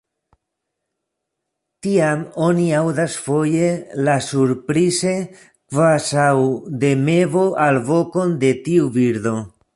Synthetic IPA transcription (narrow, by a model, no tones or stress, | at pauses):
tiamo̞niawdasfo̞je̞lasuɾpɾize̞ | kvasawd̪e̞me̞vo̞ʔalvo̞ko̞nd̪e̞tiubiɾdo̞